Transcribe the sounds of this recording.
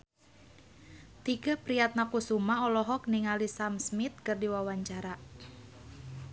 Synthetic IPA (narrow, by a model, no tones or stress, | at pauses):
t̪iɡapɾijat̪̚nakusumaɔlɔɦɔk̚niŋalisamsmit̪̚kərdiwawaɲt͡ʃaɾa